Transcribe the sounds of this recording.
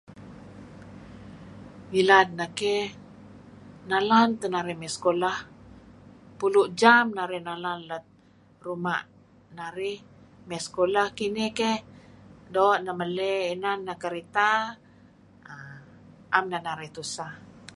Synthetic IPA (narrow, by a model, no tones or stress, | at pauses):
ilad̪̚nake | nalant̪ənaɾihmɛskolah | puluʔd͡ʒamnaɾɛhnalanlat̪̚ | ruma̰ʔ | naɾih | mɛskolahkinikehdoʔnaməleinanːakəɾit̪a | a | ʔamnanaɾɛht̪usa